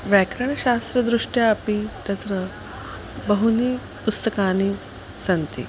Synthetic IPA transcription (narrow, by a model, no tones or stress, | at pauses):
ʋækɾəɳ̃əɕast̪ɾəd̪ɾuʂʈjaːpit̪ɐt̪ɾə | bəɦuni | pust̪əkani | sant̪ḭ